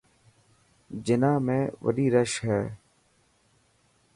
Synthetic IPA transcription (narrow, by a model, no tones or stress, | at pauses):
d͡ʒɪnãːmẽːʋə̰ɾiːɾəʃɦɛː